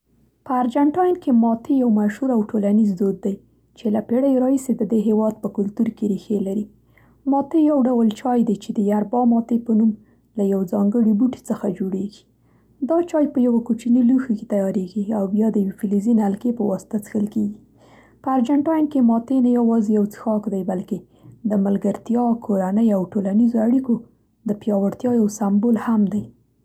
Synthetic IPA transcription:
pəaɾd͡ʒaɳʈɑjnkemɑt̪ejawmaʃhuɾawʈʰolanizd̪od̪ːaj | t͡ʃelapeɽajɾɑhised̪əd̪eɦewɑd̪̚pəkʊlt̪uɾkeɾixelaɾi | mɑt̪ejawɖawəlt͡ʃɑjd̪ajt͡ʃed̪əjaɾbɑmɑt̪epənum | lajawzɑŋɡəɽibuʈi̥t͡səxad͡ʒoɽeɡi̥ | d̪ɑt͡ʃɑjpəjawakut͡ʃiniluxake̥t̪ajɑɾeɡiawjɑd̪əjwefilizinalkepəwɑsɪ̥t̪at͡sə̥xəlkeɡi | pəaɾd͡ʒaɳʈɑjnkemɑt̪enajawɑzejawt͡sə̥xɑkd̪ajbalke | d̪əməlɡaɾt̪jɑkʰoɾanəjawʈolanizoaɽiko | d̪əpjɑwaɾt̪jɑjawsambolhamd̪aj

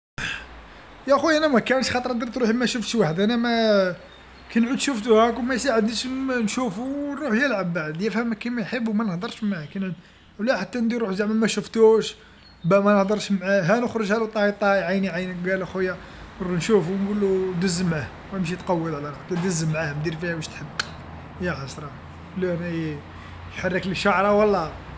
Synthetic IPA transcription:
jæxujʔænæmækænəʃxɑt̪ˤɾˤnd̪ɾt̪ɾuħimæʃəft̪ʃwaħəd̪ʔænæmæ | kænʕud̪ʃuft̪uhækwmæjsaʕəd̪nəʃnʃufunɾˤuħjəlʕabːaʕd̪jæfhæmːækæmæjħəbːumænəhd̪əɾˤʃmaʕakænʕud̪ | wlæħat̪ːænd̪iɾuħzaʕməlmæʃəft̪uʃ | bæʔmænəhd̪əɾˤʃmʕaɦænəxɾˤəʒʕælut̪ˤɑhit̪ˤːɑjʕajniʕajnəkɡælxujːærˤunʃufuwnɡulːud̪əzːmʕah | wəmʃ̬it̪qɑwːəd̪ʕalæɾħt̪ːæd̪əzːəmʕahmd̪iɾfihæbæʃt̪ħəbː | jæħɑsɾˤɑ | lːuænæj | jħɑrˤːəkləʃaʕɾˤɑwɑlˤːɑ

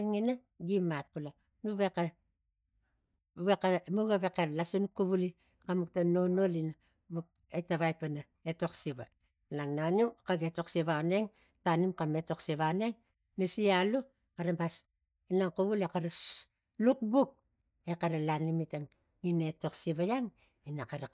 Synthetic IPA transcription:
ŋina | ɡimat̚kula | nuβe̞ka | βekamuɡaβe̞kalasunkuβuli | kamuktano̞no̞lina | muk̚ | etaβajpana | eto̞ksiβa | laŋnanumkaɡeto̞ksiβaone̞ŋ | tanimkameto̞ksiβaone̞ŋ | nisialu | kaɾambas | inaŋkuβulekaɾas | luk̚buk̚ | e̞kaɾalanimitaŋ | ŋineto̞ksiβajaŋ | inakaɾa

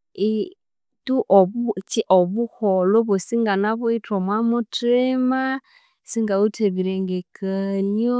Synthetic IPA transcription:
i | tuʔɔβt͡ʃiʔoβuhɔloβosiŋɡanaβwitomwamutima | siŋɡauteβiɾeŋɡekʰaljo

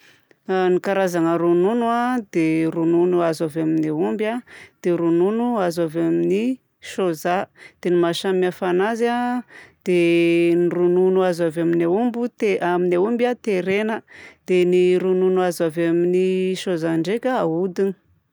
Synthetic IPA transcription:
anikaɾazaŋəɾununuad̪eɾununuazavaminaumbad̪̥eɾununuazavamini | ʃozad̪̥enimaʃamiafanazad̪̥enirununuazavaminaumbut̪eaminaumbat̪eɾenəd̪̥eniɾununuazavaminiʃozaɳɖ͡ʐekʲəaud̪ini̥

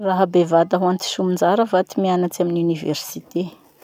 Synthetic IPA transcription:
raɦabevad̪aɦuant̪i̥ʃumind͡ʒaɾəvat̪imianat͡saminiuniveɾsit̪e

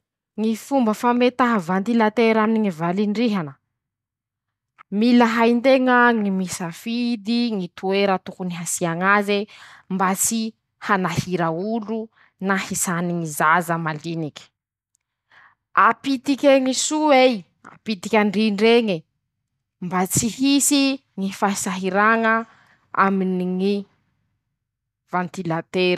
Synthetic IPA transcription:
ŋifumbəfamet̪aɦavant̪ilat̪eɾaminiŋivaliɳɖ͡ʐiɦanə | milaɦajnt̪eŋəŋimisafid̪iŋit̪ueɾət̪ukuniɦasiaŋazembat͡si | hanahiɾaulu | nahisaniŋizazəmalinikʲi̥ | apit̪ikʲeŋisuej | a̰pit̪ikʲaɳɖ͡ʐiɳɖ͡ʐeŋi | mbat͡sihisiŋifaisaɦiɾaŋə | a̰miniŋi | v̥ãnt̪ilat̪eɾ

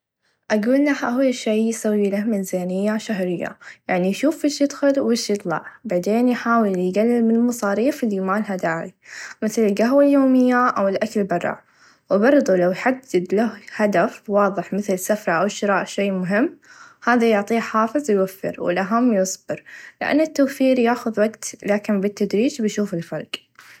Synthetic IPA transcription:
ʔaɡuːlːahʔawːʃejjsawːilahmɪzaːnɪjːaʃaɦɾɪjːa̰jaʕnijʃuːfɪʃjɪd̪xʊlwɪʃjɨt̪ˤlɑ̰ʕbaʕd̪eːnjħaːwɪljɡalːɪmɪnlmɑsˤɑːɾiːfɪlːimaːlɦad̪aːʕimɪθlɪlɡaɦwaljoːmɪjːaʔawɪlʔakalbɑrˤːɑ̰ʕ | wbɑɾˤðˤulawjħad̪ːɪd̪lahhad̪afwɑːðˤɨħmɪθlsafɾˤɑʔawʃɪɾɑːʔʃejːmʊɦɪmːhaːðajʊʕt̪ˤiːħaːfɨzˤwjwafːɪ̰ɾwɪ̰lʔaɦamːjʊsˤbɪɾlɪʔa̰nːɪt̪ːoːfiːɾjaːxʊðwaɡt̪laːkɪnbɪt̪ːad̪ɾiːd͡ʒbjʃuːfɪlfɑɾˤɡ

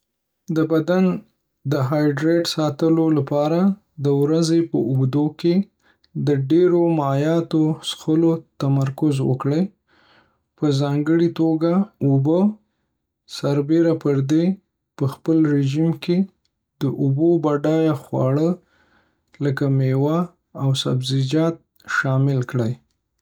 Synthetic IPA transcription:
d̪əbad̪an | d̪əɦɑjɖɾeʈsɑt̪əlolapɑɾa | d̪əwɾazepəʊɡd̪oke | d̪əɖeɾomjɑt̪osxəlot̪amaɾkʊzwə̰kɽəj | pəzɑŋɡəɽit̪oɡaubə | saɾbeɾapəɾd̪e | pəxpəlɾeʒimke | d̪əʔʊbobaɖɑjaxwɑ̰ɽə | ləkamewaː | wsa̰bzid͡ʒɑt̪̚ | ʃɑmɪlkɽaj

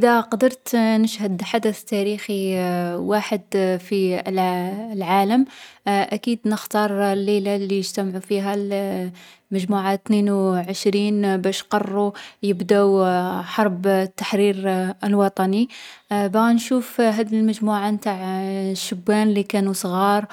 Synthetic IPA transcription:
ʔəd̪æqɑd̪əɾˤt̪nəʃhəd̪ħad̪əθt̪ːæɾixiwaħəd̪fi | lʕaləmʔækiːd̪nəxt̪ɑɾˤlːelalːijəʒt̪æmʕufiɦæl | məʒmuʕat̪nenwʕəʃɾiːnbæʃqɑrˤːujəbd̪æwħɑɾˤbt̪ːḁħɾiɾəlwɑt̪ˤɑnibænʃuːfɦæːd̪ilməʒmuʕant̪aʕʃːəbːænlikænusˤɣɑːɾˤ

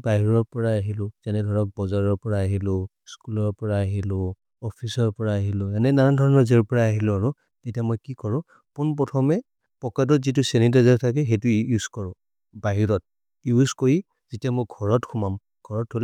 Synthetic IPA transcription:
baɦiɹɔɹpɔɹaːɦilʊ̃zanɛɡʱɔɹɔk̚bɔzaɹɔɹpɔɹaːɦilʊ | skulɔɹpɔɹaːɦilʊ | ɔpʰisɔɹpɔɹaːɦilʊjanɛnadʱɔɹɔnɔzɛɹpɔɹaːɦilʊaɹʊ | tetijamɔjkikɔɹʊ̃ | kunp̬ɹɔtʰɔmɛ | pɔkad̬ɔtzitʊsenidazaɹtʰak̬ɛɦejtʊjuz̥kɔɹʊ̃ | baɦiɹɔt̚ | juzkoɹi | z̥itiamɔjɡʱɔɹɔtkʰumam | ɡ̥ʱɔɹɔthol

